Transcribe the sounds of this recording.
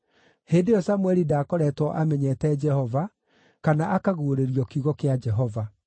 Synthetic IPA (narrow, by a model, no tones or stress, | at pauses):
heːndeɔsamwɛɾidaːkɔɾɛtwɔʔamɛɲɛtɛd͡ʒɛhɔva | kanaʔakaɣoːɾeɾiɔkiuɣɔkead͡ʒɛɦɔva